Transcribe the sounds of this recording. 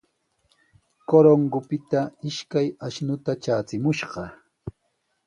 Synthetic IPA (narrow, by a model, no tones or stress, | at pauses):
koɾoŋɡʊpɪt̪aɪʃkajaʃnʊt̪at͡ʃaːt͡sɪmʊʃɢɑ